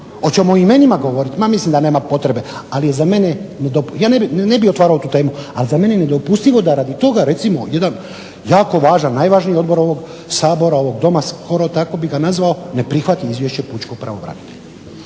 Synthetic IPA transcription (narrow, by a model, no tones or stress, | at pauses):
o̞t͡ɕemoime̞nimaɡo̞ʋo̞ɾit̪mamislimd̪ane̞ːmapo̞t̪ɾe̞be̞alije̞zame̞ne̞ned̪opjaːnebinnebixot̪ʋaːɾaot̪uːt̪e̞ːmualizame̞nejene̞d̪o̞pust̪iʋo̞d̪aɾad̪it̪o̞ɡaɾe̞t̪simo̞je̞d̪an | jaːko̞ʋaːʒanːajʋaːʒnijeo̞d̪bo̞ɾo̞ʋo̞ɡ | saːbo̞ɾao̞ʋo̞ɡd̪o̞masko̞ɾot̪ako̞biɡanazʋao̞ne̞pɾixʋat̪iizʋje̞ʃt͡ɕe̞put͡ʃko̞ɡ̚pɾa̰ʋoʋɾa̰nit̪eʎa